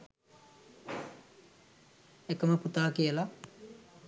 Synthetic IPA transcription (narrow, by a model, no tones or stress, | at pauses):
ekəməput̪aːkijəla